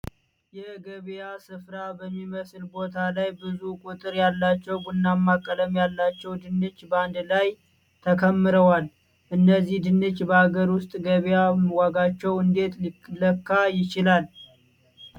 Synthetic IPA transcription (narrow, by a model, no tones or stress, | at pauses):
jɛɡəβjasɨfɾabəmːiməslbo̞t̪ʰalajbɨzukʼut̪ʼɨɾjalːat͡ʃːɛwɡunːamːakʼːələmjalːat͡ʃːɛwd̪ɨnːɨt͡ʃːband̪laj | t̪ʰəkʰəmːɨɾəwal | ʔɨnːəzːihd̪ɨnːɨt͡ʃːbəaɡəɾwʊst̪ʼɡəβjaməwaɡat͡ʃːɛwɨnd̪e̞t̪ləkːajɪt͡ʃɪlal